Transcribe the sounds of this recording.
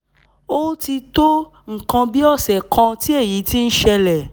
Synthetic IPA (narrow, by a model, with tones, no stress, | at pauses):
o˦ti˧to˦ | ŋ̩˦˨kã˧bi˦ɔ˦˨sɛ˨kʰã˧ti˦e˦˨ji˨˦ti˦n̩˦ʃɛ˧lɛ˨